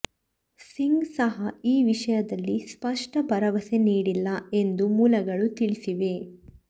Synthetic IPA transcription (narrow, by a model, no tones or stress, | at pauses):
siŋɡsɐɦɐiːʋiʂɐjɐd̪ɐlːispɐʂʈɐbɐɾɐʋɐse̞niːɽilːɐe̞nd̪umuːlɐɡɐɭut̪iɭisiʋe̞